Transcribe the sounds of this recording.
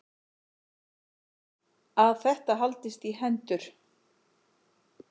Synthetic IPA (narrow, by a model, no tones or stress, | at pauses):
aðθɛht̪aɦalt̪ɪst̪iɦɛnt̪ʏɾ̥